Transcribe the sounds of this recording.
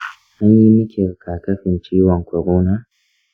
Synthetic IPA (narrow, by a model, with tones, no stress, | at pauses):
ʔa˦ɲji˦mɪ˦kʲe˨ɾkaː˨kɐ˦ɸɪ˨nt͡ʃiː˦wɔ˨ŋkʷɔ˨ɾoː˦naː˦